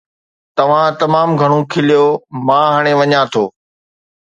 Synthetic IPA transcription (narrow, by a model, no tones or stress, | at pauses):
t̪ɐʋ̤ãt̪ɐmaːmɡʱɐɽ̃okʰɪlijomãːɦaːɽ̃eʋɐɲãt̪ʰoː